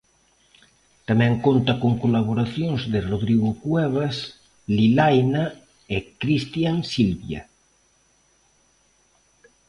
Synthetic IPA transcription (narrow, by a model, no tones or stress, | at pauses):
t̪amɛ̃ŋkont̪akoŋkolaβ̞oɾaθjonzðeroðɾiɣokwɛβas | lilajna | ekɾist̪jansilβja̰